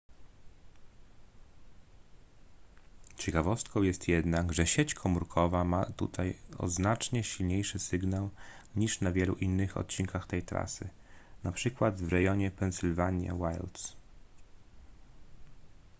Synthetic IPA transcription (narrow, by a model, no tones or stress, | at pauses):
t͡ɕɛkavɔst̪kɔ̃w̃jɛst̪jɛd̪naɡʐɛɕet͡ɕkʰɔmuɾkʰɔvamat̪ṵt̪ʰajɔ̰znat͡ʂɲɛɕilɲejʂɘsɘɡnaw | ɲiʂnavʲjɛlṵʔinːɘxɔ̰t̪̚t͡ɕiŋkaxt̪ɛjt̪ɾa̰sɘ̰ | napʂɘkwad̪vɾɛjɔɲɛpɛnsɘlvaɲja̰wajlt̪s